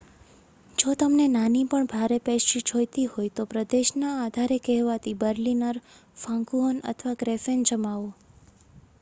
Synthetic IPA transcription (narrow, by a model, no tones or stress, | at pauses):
d͡ʒot̪əmnenanipəɳbʱaɾepeʃid͡ʒʰojt̪iɦojt̪opɾəd̪eʃnaːd̪ʱaɾekɛɦʋat̪ibəɾlinəɾ | fãŋkuɦonə̰t̪ʰəʋaɡɾefend͡ʒəmaʋo